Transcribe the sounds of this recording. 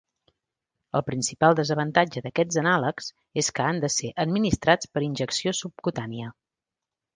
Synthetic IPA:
əlˠpɾinsipalˠd̪əzəβ̞ənt̪ad͡ʒəðəkɛd͡zənaləkz̥ | eskəand̪əseʔəd̪minist̪ɾat͡spəɾinʲʒəksiosup̚kut̪aniə

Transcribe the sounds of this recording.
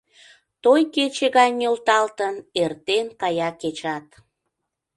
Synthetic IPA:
t̪ojket͡ɕeɣɑjʲolt̪ɑlt̪ənert̪enkɑjɑket͡ɕɑt̪

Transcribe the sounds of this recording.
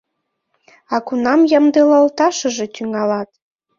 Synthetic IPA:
ɑkunɑmjəmd̪elɑəlt̪ɑʃə̆ʒe̽t̪yŋɑlɑt̪̚

